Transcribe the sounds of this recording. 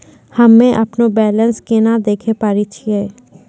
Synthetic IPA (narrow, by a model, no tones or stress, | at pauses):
hɐmːẽʔɐpnobɛːlə̃nskenad̪eːkʰepaːɾit͡ʃʰieː